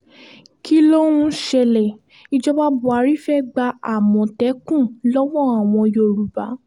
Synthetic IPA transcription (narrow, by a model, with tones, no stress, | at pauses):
kʰi˦lo˦ũ˦ʃɛ˧lɛ˨ | i˧d͡ʒɔ˦ba˦bu˨˦a˧˦ɾi˦fɛ˦ɡ͡ba˧a˨mɔ̃˨tɛ˨˦kũ˦˨lɔ˦wɔ̃˦˨a˨w̃ɔ̃˧jo˨ɾu˨ba˨˦